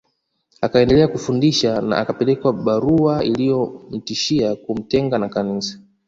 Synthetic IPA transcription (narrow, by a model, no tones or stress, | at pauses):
akaɛndɛlɛakufundiʃana̰ʔakapɛlɛkwaɓaɾuailijɔm̩tiʃiakum̩tɛŋɡanakanisḁ